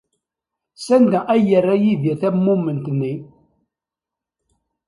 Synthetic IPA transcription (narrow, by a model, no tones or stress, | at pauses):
sænd̪æʔæjərːæjiðjæθæmːumːənt̪nːi